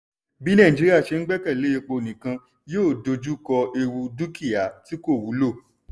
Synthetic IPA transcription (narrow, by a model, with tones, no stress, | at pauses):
bi˦nã˦˨d͡ʒi˦i˦a˦˨ʃe˧n̩˦ɡ͡bɛ˦kɛ˦˨le˨˦e˧k͡po˧˨nĩ˨kã˧ | joː˦˨do˧d͡ʒu˦kɔ˧e˧wu˧du˦ki˦˨ja˨˦ti˦ko˦˨wu˨˦lo˦˨